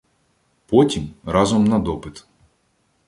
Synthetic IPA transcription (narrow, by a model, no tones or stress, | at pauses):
pɔtʲimɾɑzɔmnɐd̪ɔpɪt̪